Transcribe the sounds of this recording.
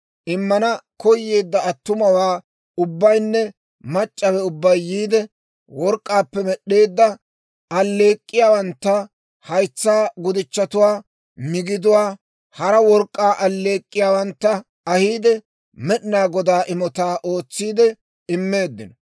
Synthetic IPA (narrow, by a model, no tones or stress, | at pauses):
ʔɪmːɐnɐkɔjːe̞ːd̪ːɐɐt̪ːʊmɐwaː | ʊbːɐjnːɛ | mɐt͡ʃʼːɐwɛʊbːɐjːiːd̪ɛ | wɔɾkʼːaːpːɛmɛɗːe̞ːd̪ːɐ | ɐlːe̞ːkʼːɪjaːwɐnt̪ːɐ | hɐjt͡sːaːɡʊd̪ɪt͡ʃːɐt̪ʊwaː | mɪɡɪd̪ʊwaː | hɐɾɐwɔɾkʼːaːʔɐlːe̞ːkʼːɪjaːwɐnt̪ːɐ | ɐhiːd̪ɛ | mɛɗɪnaːɡɔd̪aːʔɪmɔt̪aːʔo̞ːt͡sːiːd̪ɛ | ɪmːeːd̪ːɪnɔ